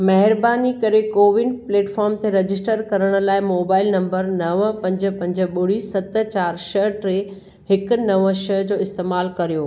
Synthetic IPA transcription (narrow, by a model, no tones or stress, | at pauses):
mɐɦɪɾbaːnikɐɾekoːʋɪnɖpleːʈfɔːɾmt̪ʰeɾɐd͡ʑɪsʈəɾkɐɾəɽ̃ʊ̆laːɪmoːbaːɪlnɐ̃mbəɾnɐʋpɐ̃ɲd͡ʑə̆pɐ̃ɲd͡ʑə̆ɓʊɽisɐt̪̆t͡ɕaːɾʃɐɦʈɾeː | hɪkʊ̆nɐʋʃɐɦd͡ʑoːɪst̪eːmaːlkɐɾijoː